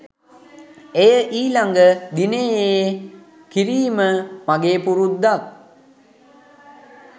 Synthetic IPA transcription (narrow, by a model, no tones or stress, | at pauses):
ejəʔiːlaŋɡəd̪inee | kiɾiːməmaɡeːpuɾut̪ːak̚